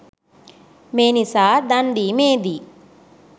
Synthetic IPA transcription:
meːnisad̪ɐɳɖimeːd̪i

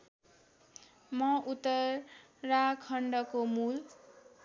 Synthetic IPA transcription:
mʌʔut̪ːʌː | akʰʌɳɖʌkomul

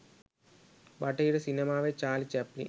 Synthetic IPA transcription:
bɐʈːɐjiɽɐsinemaːʋeːt͡ʃaːlit͡ʃɐpːlḭ

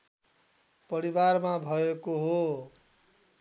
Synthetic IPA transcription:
pʌɾibarmabʱʌekoɦo

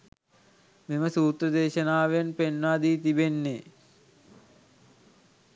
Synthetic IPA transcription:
miməsuːt̪rəd̪eːʃənaːʋenpenːaːd̪iːt̪ibenːe

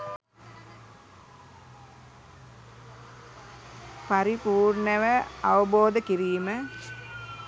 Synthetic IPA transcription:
paɾipuːrɳəʋəaʋəboːd̪əkiɾiːmə

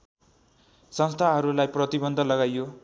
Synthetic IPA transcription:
sʌnst̪ʰaɦʌɾulajprʌt̪ibʌnd̪ʱʌlʌɡajjo

